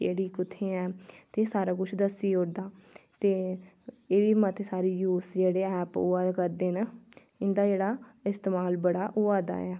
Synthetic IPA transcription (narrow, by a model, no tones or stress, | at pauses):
ḛːɽiːkʊt̪ʰːẽːɛːt̪eːsaːɾaːkʊt͡ʃʰd̪əsiːɦʊɾd̪aːt̪eː | eːʋiːmət̪ʰeːsaːɾiːjuːsd͡ʒeːɽeːɛːpʊːaːd̪kəɾd̪eːn | ɪnd̪aːd͡ʒeːɽaːɪst̪eːmaːlbəɽaːʔʊːaːd̪a̰ːɛː